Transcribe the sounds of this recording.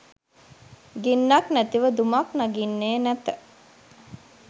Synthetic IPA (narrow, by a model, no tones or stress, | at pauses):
ɡinːaknæt̪iʋəd̪umaknaɡinːeːnæt̪ə